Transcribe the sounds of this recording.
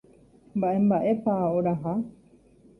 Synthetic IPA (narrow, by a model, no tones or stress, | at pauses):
mbaʔembaʔepaːoɾaɦa